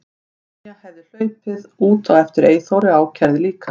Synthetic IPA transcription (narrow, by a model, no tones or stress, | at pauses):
jɛɣhɛvðɪl̥œːɥpɪðuːt̪aɣɛft̪ɪɾeːjθowɾɪaːwcʰɛɾðɪliːkʰa